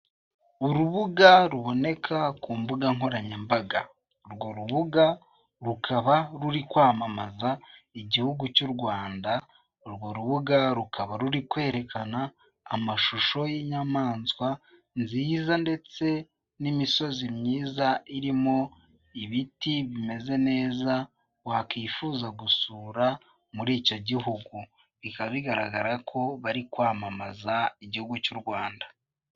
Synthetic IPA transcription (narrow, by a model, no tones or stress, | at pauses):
uɾuβuɡaɾuβo̞ne̞kʰakuːmbuɡaŋo̞ɾaɲembaɡa | ɾɡwo̞ɾuβuɡa | ɾukʰaβaɾuɾikwaːmamazaiɟihuɡucuɾɡwaːnda | ɾɡwo̞ɾuβuɡaɾukʰaβaɾuɾikwe̞ːɾe̞kanaː | maʃuʃo̞jiɲamaːnswa | nziːzande̞t͡se̞ | nimiso̞zimɲiːzaiɾimo̞ | iβitiβime̞ze̞ne̞ːza | wakifuːzaɡusuːɾa | muɾiːco̞ɟiɦuɡu | βikaβiɡaɾaɡaɾakʰo̞βaɾikwaːmamazaiɟihuɡucuɾɡwaːnda